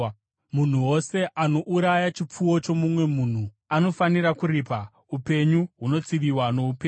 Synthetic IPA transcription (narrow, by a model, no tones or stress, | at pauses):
mun̤uwo̞se̞ʔano̞ʔuɾajat͡ʃip͡fuwo̞t͡ʃo̞mumwe̞muːn̤u | ano̞faniɾakuɾiːpa | upe̞ɲuɦuno̞t͡siʋiwano̞upeːɲ